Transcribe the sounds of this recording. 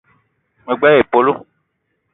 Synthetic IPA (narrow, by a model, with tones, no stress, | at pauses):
mẽ˨ɡ͡bɛ˦e˨po˦lo˦